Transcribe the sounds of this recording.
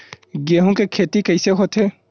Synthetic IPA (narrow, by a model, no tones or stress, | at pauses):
ɡeɦũkekʰet̪ikəjseɦot̪ʰe